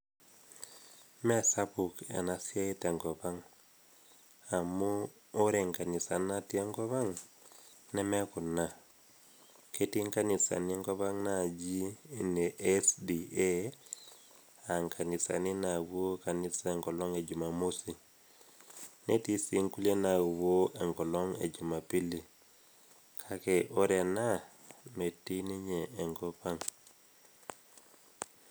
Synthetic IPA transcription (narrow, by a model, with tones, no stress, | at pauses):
mɛ˦sa˦pu˨ka̰˨na˨sia˦e˦tɛ˨ŋkɔ˨pa˦ŋ | a˨muː˦ | ɾɛ˨ŋka˨ni˨sa˨na˦ti˦a˦ŋkɔ˦βa˦ŋ | nɛ˦mɛ˦ku˨nːa | kʰe˦ti˦ŋka˦ni˨sa̰˨ni˦ŋkɔ˦βa˦ŋna˨d͡ʒi˦ne˨ʔɛsdie | a˨ŋkʰa˨ni˨sa̰˨ni˦na˨wo˦ka˨ni˦sa˦ɛ˨ŋɡɔ˨lɔ˦ŋe˨d͡ʒu˨ma˨mu˦si˨ | ne˦ti˦si˨˦ŋku˦le˦na˨wo˦e˨ŋɡɔ˨lɔ˦ŋḛ˨d͡ʒu˨ma˨pi˦li˨ | kʰa˨ke˨ʔo˦ɾe˨na˦ | me˨ti˦ni˦ɲeː˨ŋɡɔ˦pa˦ŋ